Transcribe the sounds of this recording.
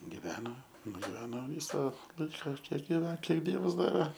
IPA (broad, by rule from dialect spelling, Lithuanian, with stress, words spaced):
ɡʲɪˈʋʲæːnoː nʊɡʲɪˈʋʲæːnoː ˈʋʲiːsɐ ˈlˠɐɪkɐ ˈkʲiɛk ɡʲɪˈʋʲɛn ˈkʲiɛk ˈdʲiɛʋɐs ˈdɑːʋʲɛ